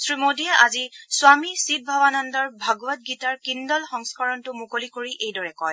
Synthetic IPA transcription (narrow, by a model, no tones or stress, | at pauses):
sɹimodiɛʔazisʊwamisit̚bʱabanɔndɔɹbʱaɡɔwat̚ɡitaɹkindɔlxɔŋskɔɹɔntʊmukolikoɹiʔejdɔɹɛkɔj